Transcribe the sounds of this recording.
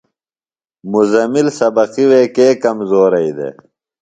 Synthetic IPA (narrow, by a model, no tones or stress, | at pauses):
muzɐmilsɐbɐqiweːkeːkɐmzoːɾɐid̪ḛː